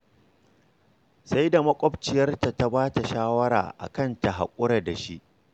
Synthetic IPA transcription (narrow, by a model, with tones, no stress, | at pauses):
sa˦jda˨mɐ˦kʷʼɔ˦bt͡ʃɪ˨jɐ˦rta˨ta˦baː˦ta˨ʃaː˦wɐ˦ɾa̰ː˨ʔa̰˨kɐ˦˨nta˨ɦa̰˨kʷʼʊ˦ɽɐ˨da˨ʃi˦ʔ